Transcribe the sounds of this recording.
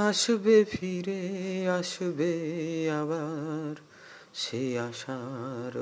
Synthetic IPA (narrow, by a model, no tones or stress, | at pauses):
aʃbefʰiɾeaʃbeaβaɾ | ʃeaʃaɾ